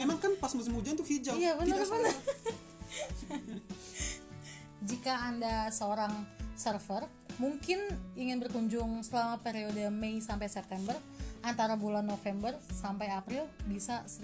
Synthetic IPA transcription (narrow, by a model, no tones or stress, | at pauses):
emaŋkanpasməs̬əmud͡ʒant̪ufid͡ʒajabənəɾbənər | d͡ʒikaːndasəoɾaŋsərfər | muŋkɪniŋɪnbərkuɲd͡ʒʊŋsəlamapeɾiodəmeisampajsɛp̚t̪ɛmbər | ant̪aɾabulanːofɛmbərsampajapɾɪlbisas